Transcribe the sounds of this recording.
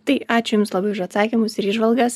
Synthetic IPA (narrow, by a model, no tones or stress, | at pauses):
t̪ɐɪɑːt͡ʃʲʊjʊmslˠɐbɐɪʊʃɐt̪sɑːkʲimʊsɪɾiːʒʋɐlˠɡɐs